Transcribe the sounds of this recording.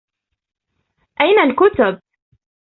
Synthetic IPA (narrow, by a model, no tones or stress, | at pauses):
ʔajnalkʊt̪ʊb̚